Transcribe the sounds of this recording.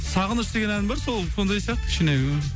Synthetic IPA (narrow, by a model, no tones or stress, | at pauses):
sɑʁənəʃd̪eɡʲe̞nænɪmbɑɾsolˠso̞nd̪ɑjsijɑq̚t̪ə̥ʃeneje